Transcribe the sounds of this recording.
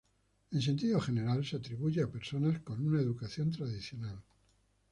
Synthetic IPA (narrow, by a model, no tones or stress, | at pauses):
e̞ns̬e̞nt̪iðoxe̞ne̞ɾalseat̪ɾiβuʝeape̞ɾso̞naskonunae̞ðukaθjo̞nt̪ɾaðiθjo̞nal